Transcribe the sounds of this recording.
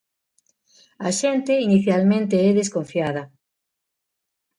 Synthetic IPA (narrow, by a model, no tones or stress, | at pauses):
aʃẽnt̪einiθjalmẽnt̪eɛðeskõɱfjað̞ɐ